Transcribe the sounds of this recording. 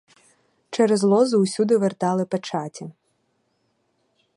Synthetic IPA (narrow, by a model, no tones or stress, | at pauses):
t͡ʃɛɾɛzlˠɔzʊusʲud̪ɪʋert̪ɑlˠɪpet͡ʃɑtʲɐ